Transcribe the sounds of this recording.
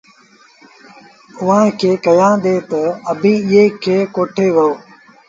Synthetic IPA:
ʊãːkʰeːkɐjãːd̪eːt̪əəbʱĩːɪɦeːkʰeːkoːʈʰeːʋɐoː

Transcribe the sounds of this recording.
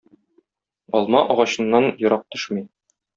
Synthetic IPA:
ɒlˠmɑʔɒʁɑɕɤ̆nːɑnjŏɾɑq̚t̪ɵ̥ʃmi

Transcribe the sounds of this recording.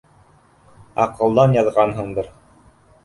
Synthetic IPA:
ɑ̰qɤ̆lˠd̪ɑnjɑðʁɑnɦɤɴd̪ɤɾ

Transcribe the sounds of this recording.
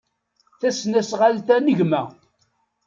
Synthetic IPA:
θæsnæsʁalt̪ænəʝmæ

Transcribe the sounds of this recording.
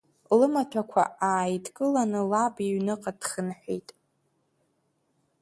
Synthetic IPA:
lɨmatʷʰakʷʰa̰ʔaːjdʰʼkʼɨlanɨlabiɥnɨqʼad̥χənħʷᶣijtʼ

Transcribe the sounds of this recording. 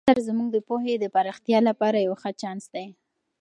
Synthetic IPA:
aɾzmuɡ̚d̪əpoɦed̪əpaɾaxt̪jɑlapɑɾajawxət͡ʃɑnsd̪aj

